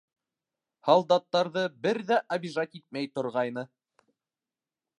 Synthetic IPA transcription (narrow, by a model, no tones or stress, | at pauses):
hɑlˠd̪ɑt̪ːɑɾðɤbɘɾðæʔɐbʲiʒɑt̪it̪̚mæjt̪ŏɾʁɑjnɤ